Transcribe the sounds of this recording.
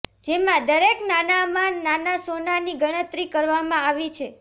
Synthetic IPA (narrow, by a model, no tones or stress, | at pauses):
d͡ʒemãd̪əɾeknanamãnanasonaniɡəɽ̃ət̪ɾikəɾʋamãaʋit͡ʃʰe